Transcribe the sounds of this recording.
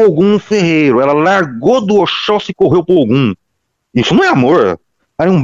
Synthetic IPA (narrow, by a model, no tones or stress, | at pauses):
oɡũũfeɦejɾʊɛlɐlaɾɡod̪uoʃɔsɪkoɦewpʊɾoɡũ | isʊnɐ̃ɛamoɾ̰ | aẽũ